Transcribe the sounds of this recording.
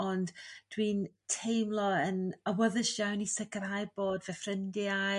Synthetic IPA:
ɔnd̥d̥wiːntʰejmlˠɔənəwəðəʃjawnisəkʰəɾhajboːdvɛfrɪndɪa

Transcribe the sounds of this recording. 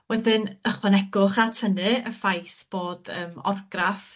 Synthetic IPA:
wɛðɪnəχwɛnɛɡʊχatʰənɨəfajθb̥oːd̥əːmɔ̰rɡraf

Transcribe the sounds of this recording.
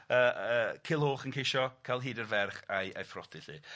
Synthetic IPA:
əːəːkʰɪlˠhoːχənkʰejʃɔkʰalˠɦiːdərvɛrχajʔa̰jfrɔtɪɬḭː

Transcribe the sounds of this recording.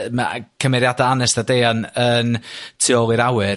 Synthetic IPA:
makʰəmɛɾjadaanɛsdadeːanəntʰɪɔlˠiɾawɨr

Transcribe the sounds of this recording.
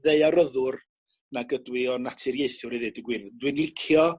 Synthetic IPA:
ðeɨaɾəðʊr | naɡədwɪɔnatʰɪrjeɨθʊɾiðɨdəɡwɪrvdwɨnlˠɪkʰjɔ

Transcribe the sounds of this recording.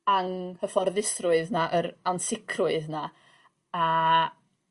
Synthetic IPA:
aŋhəfɔrðɪsrʊɨðnaʔəɾansɪkʰrʊɨðna | a

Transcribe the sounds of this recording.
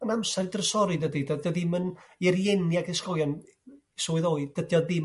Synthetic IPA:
ənamsɛrdrəsɔɾidədidədɔðɪmənɛrjɛnjaɡɛskɔjɔn | sɔːɨðoːɨd̥ədjɔðɪm

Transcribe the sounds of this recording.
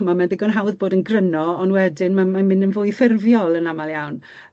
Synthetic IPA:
mamɛndɪɡɔnɦawðboːdənɡrənɔɔnwɛdɪnmamamɪ̃nənvʊjθɪrvjɔlˠənamalˠjawn

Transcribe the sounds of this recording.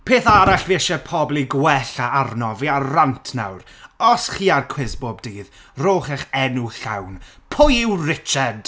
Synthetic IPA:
pʰeːθaɾaɬveʃɛpʰɔblˠiɡwɛɬaarnɔviarantʰna̰wɾɔsχiːarkʰw̥ɪsboːbdiːð | roːχɛχɛnuɬawnpʰʊjɪwrɪt͡ʃad̥

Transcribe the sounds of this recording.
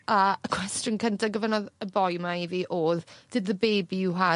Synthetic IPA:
aəkʰw̥ɛstɔnkʰəntʰaɡəvənɔðəbɔjmaiviːʔoːðd̥ɪdðəbeːbiuɦa

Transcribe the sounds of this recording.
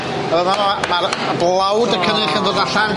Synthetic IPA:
aɾənavɔaɾəblˠawdəkʰəɾɨχəndodaɬan

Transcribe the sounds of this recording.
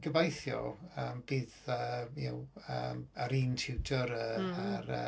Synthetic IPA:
ɡəvajθjɔ̰əːmbiːðəja̰wəməɾiːntʰɪwdʰəɾəaɾə̰

